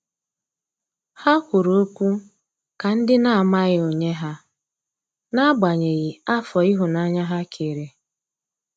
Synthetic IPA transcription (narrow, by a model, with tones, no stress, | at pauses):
ha˦kʷʊ˨ɾo˦kʷu˦ | ka˨n̩˦dɪ˦na˨a˨ma˦ɣɪ˦o˨ɲe˦ɦa˦ | na˦ɡ͡ba˨ɲe˨ɣɪ˨a˦fɔ˨i˦ɦʊ˨na˦ɲa˦ɦa˦kʰe˨ɾe˨